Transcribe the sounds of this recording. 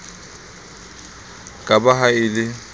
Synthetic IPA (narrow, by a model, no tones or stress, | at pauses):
kʼabaɦaɪlɪ